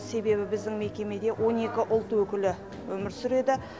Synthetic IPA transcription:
se̞be̞bɪbɪzd̪ɪŋme̞kʲe̞me̞d̪e̞wʔo̞ne̞kʲɪʔʊlˠt̪wɵkʲɪlɪ | wɵmɪɾsʏɾe̞d̪ɪ

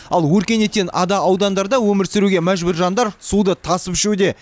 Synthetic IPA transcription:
ɑlˠwɵɾkʲe̞ne̞t̪ːenʔɑd̪ɑːwd̪ɑnd̪ɑɾd̪ɑwɵmɪɾsɪɾuɡʲe̞mæʒbʊɾʒɑnd̪ɑɾsud̪ət̪ʰɑsəpʒɪud̪e̞

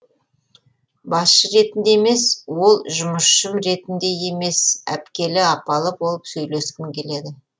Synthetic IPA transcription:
bɑsʃəɾe̞t̪ɪnd̪e̞me̞swo̞lˠʒʊməʃʃəmɾe̞t̪ɪnd̪e̞je̞me̞sæ̰pkʲe̞lɪɑpɑlˠəbo̞lˠəpsɵjle̞skʲɪŋkʲʰe̞le̞d̪ɪ

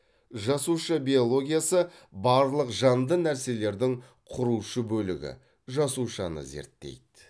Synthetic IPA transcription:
ʒɑsuʃəbʲio̞lˠo̞ɡʲijasəbɑɾlˠəqʒɑnd̪ənæɾse̞le̞ɾd̪ɪŋ | qʰʊɾuʃəbɵlɪ̰ɡʲɪ̰ | ʒɑsuʃɑnə̰ze̞̰ɾt̪ːe̞̰jd̪

